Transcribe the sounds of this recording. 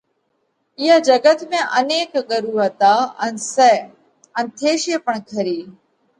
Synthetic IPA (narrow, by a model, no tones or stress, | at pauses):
ɪjaːd͡ʒəɡət̪mẽːʔəneːkɡəɾuːɦət̪aːə̰nsɛː | ənt̪ʰeːʃɪəpəɳkʰəɾiː